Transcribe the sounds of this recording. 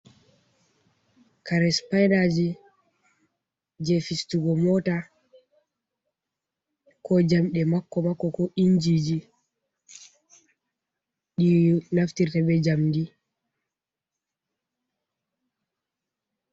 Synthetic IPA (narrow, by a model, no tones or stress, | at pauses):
kaɾɛspajnad͡ʒi | d͡ʒɛfistuɡɔmɔta | kɔd͡ʒamɗɛmakːɔmakːɔkɔʔind͡ʒid͡ʒi | ɗinaftiɾtabɛd͡ʒamdi